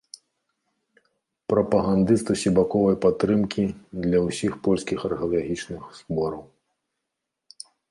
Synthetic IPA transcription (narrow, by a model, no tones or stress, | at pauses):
pɾɐpɐɣand̪ɨst̪usʲibakɔvɐjpat̪ːɾɨmkʲid̪lʲɐwsʲixpɔlʲskʲixɐrɣɐlˠaɣʲit͡ʂnɨxsbɔɾɐw